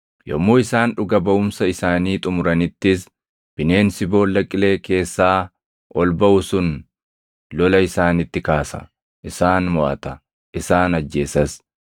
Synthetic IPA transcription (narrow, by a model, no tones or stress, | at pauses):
jɔ̰mːoːɪsaːnᶑʊɡɐbɐʔʊmsɐɪsaːniːt̪ʼʊmʊɾɐnɪt̪ːɪs | b̥ɪne̞ːnsɪbo̞ːlːɐkʼːɪle̞ːke̞ːsːaː | ʔɔlbɐʔʊsʊn | lɔlɐɪsaːnɪt̪ːɪkaːsɐ̰ | ʔɪsaːnmʊʔɐ̰t̪ɐ | ʔɪsaːnɐd͡ʒːe̞ːsɐs